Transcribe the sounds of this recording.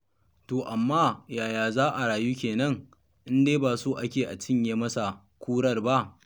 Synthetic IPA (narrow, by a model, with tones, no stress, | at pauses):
toː˨ʔa˨mːaː˦jaː˨jaː˨zaː˦ʔa˨ɽaː˨juː˦kʲeː˨nɐ˦ŋ | ʔɪ˦ndeː˦baː˨soː˦ʔa˦kʲeː˨ʔa˨t͡ʃɪ˦ɲjeː˨mɐ˦sa˨ | kʷuː˦ɽɐ˦rba˦ʔ